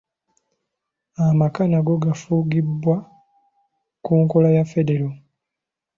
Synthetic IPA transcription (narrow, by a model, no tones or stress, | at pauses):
amakanaɡo̞ɡafuɡibːwa | kuŋkolajafe̞de̞ɾo